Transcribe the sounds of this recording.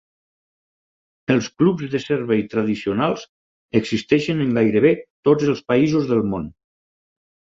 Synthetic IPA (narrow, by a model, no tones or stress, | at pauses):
əlˠsklubzðəseɾβejt̪ɾəðisionalˠz | əɡzist̪ɛʃənəŋɡajɾəβ̞et̪od͡zəlˠspəizuzðəlˠmon